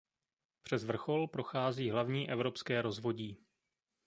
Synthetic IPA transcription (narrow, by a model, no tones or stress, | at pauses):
pr̥ɛzvr̩xo̞lpɾo̞xaːziːɦlavɲiːʔɛvɾo̞pskɛːɾo̞zvo̞ɟiː